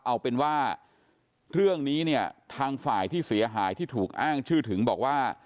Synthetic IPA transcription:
ʔa˧wpe˧nwaː˥˩ | ɾɯ˥˩əŋniː˦˥ni˥˩ət̪ʰaː˧ŋfaː˨˩jt̪ʰiː˥˩si˩˦ɐɦaː˩˦jt̪ʰiː˥˩t̪ʰuː˨˩k̚ʔaː˥˩ŋt͡ɕʰɯː˥˩t̪ʰɯ˩˦ŋbɔ̰ː˨˩k̚waː˥˩

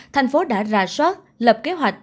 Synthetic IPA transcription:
t̪ʰjŋ̟fo˨˦ɗa̰ː˧˥za̰ː˧˥swaː˦˥t̚ | lə˨˩p̚ke˨˦ɦwa˨˩jk̟̚

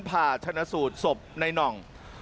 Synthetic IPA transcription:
npʰaː˨˩t͡ɕʰa˧na˧˥suː˨˩t̪̚so˨˩p̚na˧jnɔ˨˩ŋ

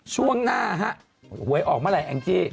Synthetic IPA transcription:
t͡ɕʰu˥˩əŋnaː˥˩˧ɦa˦˥ʔ | hu˨˩˦əjʔɔː˨˩k̚ma˥˩la˨˩˦jʔɛ˧ŋt͡ɕeː˧˩

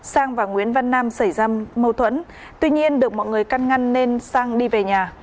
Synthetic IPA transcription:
saː˧ŋvaː˨˩ŋwḭ˧˥ənva˧nːaː˧msa˧˩jzaː˧mə˧wt̪ʰwə̰˧˥n | t̪wi˧ɲi˧ənɗɨ˨˩ək̚mɔ̰˧˨jŋɨ˨˩əjka˧nŋa˧ŋːe˧nsaː˧ŋɗi˧ve˨˩ɲaː˨˩

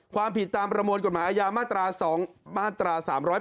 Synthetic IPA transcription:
kʰwaː˧mpi˨˩t̪ːaː˧mpɾa˧moː˧nko˨˩maː˩˦ʔaː˧jaː˧maː˥˩t̪ɾaː˧sɔː˩˦ŋmaː˥˩t̪ɾaː˧saː˩˦mɾɔː˦˥

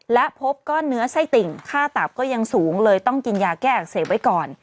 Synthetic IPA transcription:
lɛ˦˥ʔpʰo˦˥p̚kɔː˥˩nːɯ˦˥ɐsa˥˩jt̪i˨˩ŋkʰaː˥˩t̪a˨˩p̚kɔː˥˩ja˧ŋsuː˩˦ŋlɤː˧jt̪ɔ˥˩ŋki˧njaː˧kɛː˥˩ʔa˨˩k̚seː˨˩˦wa˦˥jkɔː˨˩n

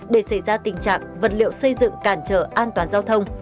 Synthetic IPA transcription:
ɗe˧˩sə˧˩jzaː˧t̪ï˨˩ŋ̟t͡ɕa̰ː˨˩k̚və˨˩t̚lḭ˧˨ə˨wsə˧jzɨ̰˧˨ŋkaː˧˩nt͡ɕəː˨˩ʔaː˧nt̪waː˨˦nzaː˧wt̪ʰə˧wŋ͡m

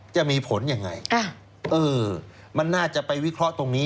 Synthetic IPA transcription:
t͡ɕa˨˩ʔmiː˧pʰo˩˦nja˧ŋːa̰˧jʰa˧˩ | ʔɤː˧ | ma˧nːaː˥˩t͡ɕa˨˩ʔpa˧jwi˦˥kʰɾɔ˦˥ʔt̪o˧ŋniː˦˥

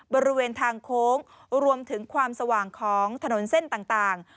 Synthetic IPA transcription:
bɔː˧ɾi˦weː˧nt̪ʰaː˧ŋkʰoː˦˥ŋ | ɾu˧əmt̪ʰɯ˩˦ŋkʰwaː˧msa˧waː˨˩ŋkʰɔː˩˦ŋt̪ʰa˧no˩˦nse˥˩nt̪aː˨˩ŋt̪aː˨˩ŋ

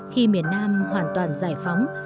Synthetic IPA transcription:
xi˧mi˨˩ənːaː˧mhwaː˨˩nt̪waː˨˩nzaː˧˩jfa˨˦wŋ͡m

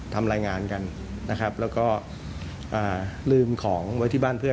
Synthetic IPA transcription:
t̪ʰa˧mɾaː˧jŋaː˧nka˧n | na˦˥kʰɾa˦˥p̚lɛː˦˥wkɔː˥˩ | ʔaː˨˩lɯː˧mkʰɔː˩˦ŋwa˧t̪ʰiː˥˩baː˥˩npʰɯ˥˩ə

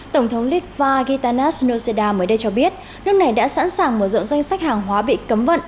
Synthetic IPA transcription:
t̪ə˧˩wŋ͡mt̪ʰə˨˦wŋ͡mli˦˥p̚vaː˧ɣi˧t̪aː˧na˦˥sno˧se˧ɗaː˧məː˨˦jɗə˧jt͡ɕɔ˧ɓi˦˥ət̚ | nɨ˦˥k̚na˨˩jɗa̰ː˧˥sa̰ː˧˥nsaː˨˩ŋmə˧˩zɔ̰˧˨wŋ͡mza˧jŋ̟sa˦˥k̚haː˨˩ŋɦwaː˨˦ɓḭ˧˨kə˨˦mvə̰˧˨nʔ

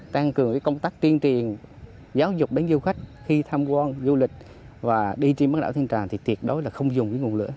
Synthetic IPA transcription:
t̪a˧ŋkɨ˨˩əŋkaː˨˦kə˧wŋ͡mt̪aː˦˥k̚t̪i˧ənt͡ɕi˨˩ən | zaː˨˦wzʊ˨˩k͡p̚ɗe˨˦nzu˧xa˦˥jk̟̚xi˧t̪ʰaː˧mkwaː˧nzu˧lï˨˩k̟̚ | vaː˨˩ɗi˧t͡ɕe˧nma˦˥ɗa̰ː˧˩wt̪i˧ŋt͡ɕaː˨˩ŋt̪ʰi˨˩t̪i˨˩ət̚ɗo˨˦jlaː˨˩xə˧wŋ͡mzʊ˨˩ŋ͡mkiː˨˦ŋu˨˩ənlɨ̰˧˥ə

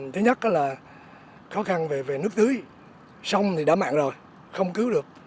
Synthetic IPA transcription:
t̪ʰe˨˦ɲə˦˥t̚ʔaː˨˦laː˨˩ | xɔ˨˦xa˧nve˨˩ve˨˩nɨ˦˥ək̚zɨ˨˦əj | sa˧wŋ͡mt̪ʰi˨˩ɗa̰ː˧˥ma̰ː˧˨ŋzo˨˩j | xə˧wŋ͡mkɨ˨˦wɗɨ˨˩ək̚

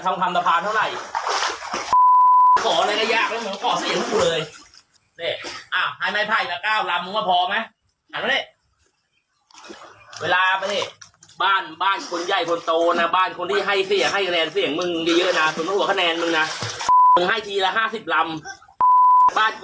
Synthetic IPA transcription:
t̪ʰa˧mt̪ʰa˧msa˧pʰaː˧nt̪ʰa˥˩wɾa˨˩j | kʰɔː˨˩˦lɤː˧˩ka˥˩jaː˥˩k̚lɛː˦˥˩mʰɯ˨˦kɔː˨˩sa˧˨˦nʰː˦˥˧u˨˩lɤː˧j | neː˧˩ʔa˧˩wha˧˥˩jma˦˥˩jpʰaː˧˩jka˧˩kaː˥˩wla˧mɯ˧ŋwa˧˩pʰɔː˧ma˦˥j | ha˨˦na˧˥ne˧˩ | weː˧laː˧pa˧e˧˩baː˥˩nbaː˥˩nkʰo˧nja˧˩jkʰo˧nt̪oː˧na˧˩baː˥˩nkʰo˧nt̪ʰiː˥˩ɦa˥˩jsi˧˨˩ŋha˥˩jkʰa˧nɛː˧nsi˧˩əŋmɯ˧ŋ˧jiː˧jɤ˦˥˨na˧˩so˨˩˦ma˧˩ʔu˨˩kʰa˧nɛː˧nmɯ˧ŋna˧mɯ˧ŋha˥˩jt̪ʰiː˧la˧ɦaː˥˩si˨˩p̚la˧m | baː˥˩n

